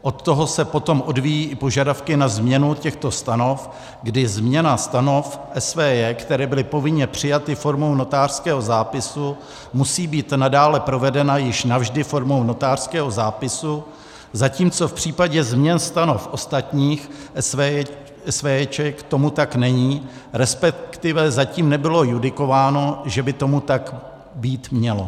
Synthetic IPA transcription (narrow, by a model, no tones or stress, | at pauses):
ʔo̞t̪ːo̞ɦo̞sɛpo̞t̪o̞mʔo̞dviːjiːʔɪpo̞ʒadafkɪnazmɲɛnucɛxt̪o̞st̪ano̞f | ɡdɪzmɲɛnast̪anofʔɛsvɛːjɛkt̪ɛɾɛːbɪlɪpo̞vɪɲɛpr̝̥ɪjat̪ɪfo̞ɾmo̞wno̞t̪aːr̥skɛːɦo̞zaːpɪsu | musiːbiːt̪nadaːlɛpɾo̞vɛdɛnajɪʃnavʒdɪfo̞ɾmowno̞t̪aːr̥skɛːɦo̞zaːpɪsu | zaciːmt͡so̞fpr̝̥iːpaɟɛzmɲɛnst̪anofʔo̞st̪at̪ɲiːx | ɛsvɛːɛt͡ʃɛkt̪o̞mut̪aknɛɲiːɾɛspɛkt̪ɪvɛzaciːmnɛbɪlo̞judɪko̞vaːno̞ʒɛbɪt̪o̞mut̪ak | biːt̪mɲɛlo̞